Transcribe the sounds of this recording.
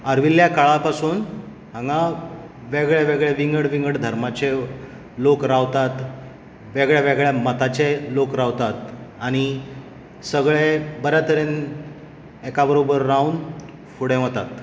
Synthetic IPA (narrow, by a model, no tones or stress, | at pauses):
əɾʋilːjakaɭapasuːn | ɦãŋɡa | ʋeɡɭeʋeɡɭeʋiŋɡəɽʋiŋɡəɽd̪ʱəɾmat͡ɕe | lokɾaʋt̪at̪ | ʋeɡɭjeʋeɡɭjamət̪at͡ɕelokɾaʋt̪at̪aɽ̃i | səɡɭebəɾat̪əɾen | ekabəɾobəɾːaun | fuɽẽɦot̪at̪